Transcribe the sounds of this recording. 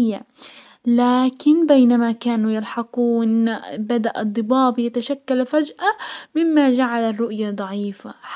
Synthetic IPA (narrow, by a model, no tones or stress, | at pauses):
jːa | laːkɪnbeːnamakaːnujɪlħɑquːnbad̪aʔɨd̪ˤːɨbɑːbjat̪aʃakːalfad͡ʒʔamɪmːad͡ʒaʕalarːʊʔjad̪ˤɑʕiːfa